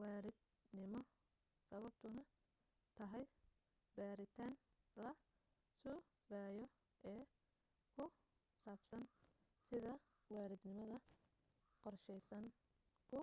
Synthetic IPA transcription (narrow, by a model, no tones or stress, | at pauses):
wɑːɾɪd̪ | nɪmɔ | sɐβɐb̚t̪ʰʊnɐ | t̪ʰɐɦɛj | baːɾɪt̪ʰaːn | lɐ | sɔː | ɡaːjɔ | ʔɛː | kʰʊ | saːfsɐn | sɪðɐ | wɑːɾɪd̪nɪmɐðɐ | qɔrʃɛjsɐŋ | kʰʊ